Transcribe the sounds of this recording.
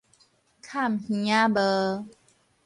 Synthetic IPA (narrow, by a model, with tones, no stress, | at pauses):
kʰa˥˨mhĩ˧˨˦a˦bə˧